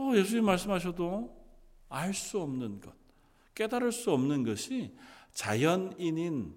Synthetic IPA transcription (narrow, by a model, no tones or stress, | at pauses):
ʌje̞sʰuɲimimaɭs̬͈ɯmɦaɕ̬ʰʌdo | aɭs͈uʌmnɯnɡʌt̚ | k͈e̞daɾɯɭs͈uʌmnɯnɡʌɕʰit͡ɕajʌninin